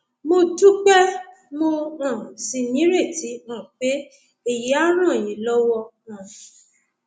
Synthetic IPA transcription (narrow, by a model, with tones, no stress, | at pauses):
mo˧tu˦k͡pɛ˦ | mo˧ã˨si˧nĩ˨˦ɾe˦˨ti˨˦ã˦˨k͡pe˨˦ | e˨je˨˦a˦ɾ̃ã˦˨jĩ˨˦lɔ˦wɔ˦˧ | ã˨